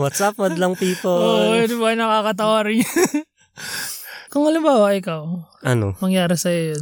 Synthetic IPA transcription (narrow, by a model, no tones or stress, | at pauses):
wat̪sap̚mɐd̪ɐlɐŋp̪iːpooʔɾɪmbajnɐkakɐt̪̬ɐwaɾɪɲ | kʊŋɐlɪmbaːwɐʔɪkɐwʔɐno̰mɐŋjaːɾɪsɐjo